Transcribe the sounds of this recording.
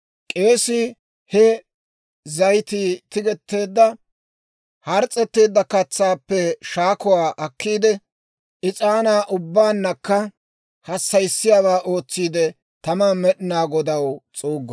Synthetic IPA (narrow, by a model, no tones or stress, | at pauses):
kʼe̞ːsɪ | hɛ | zɐjt̪it̪ɪɡɛt̪ːe̞ːd̪ːɐ | hɐɾt͡sʼːɛt̪ːe̞ːd̪ːɐkɐt͡sːaːpːɛʃaːkɔwaːʔɐkʰːiːd̪ɛ | ʔɪt͡sʼaːnaːʔʊbːaːnːɐkːɐ | hɐsːɐjsːɪjaːβaːʔo̞ːt͡sːiːd̪ɛ | t̪ɐmamɛɗɪnaːɡɔd̪ɐwt͡sʼuːɡː